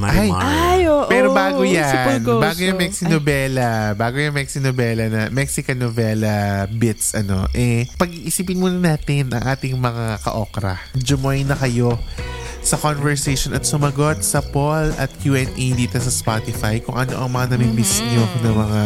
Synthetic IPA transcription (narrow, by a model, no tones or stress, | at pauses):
ʔajaajoːʔpɛːɾobaːɡojanbːɡojʊŋmɛksɪnobɛlɐbaːɡojɐŋmɛksɪnobɛːlɐnɐmɛksɪkɐnovɛlɐbɪt̪sʔɐno̞̰ʔɛpɐɡ̚ʔiʔɪsiːpɪnmuːnɐnaːt̪ɪnʔɐ̰ŋʔaːt̪ɪŋmɐŋakɐ̰ʔokɾɐ̰d͡ʒʊmojnɐkɐjo̞ | sɐkonvɛɹsejʃonɐt̪̚sʊmɐɡot̪̚sɐpolɐ̰t̪̚kjuːʔɛnʔijd̪iːt̪osɐspat̪ɪfajkʊŋʔɐno̞̰ʔɐŋmɐŋanɐmɪmbɪsɲonɐmɐŋa